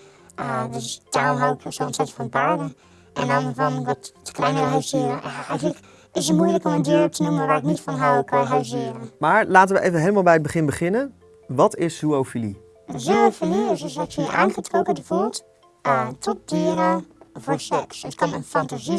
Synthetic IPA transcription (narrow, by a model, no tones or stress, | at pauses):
ədøstʰamɦawəkʰjəsonsɛtsfɔnpaɹɾə | ʔɛ̰ndɔnəvɔnʋɔtːə̥kʰlɛjnəɾəɦasiəɾəɛjɣənlək | ɪsətmujləkoməndiəɾətʰənuməʋaːrɪknitfɔnɦawkʰjɦaɥsiəɾəmaːɹlaːtənʋəʔejvəɦeːləmalˠbɛjəd̚bəχɪnbəχɪnən | ʋɑtɪsːuowfili | zyofiliɪsɪsksiə̰ʔa̰ːnxətroːkədəfulˠt | ətʰɔt̚d̥iəɾəvoːɹsɛksətkʰɔnənfantazi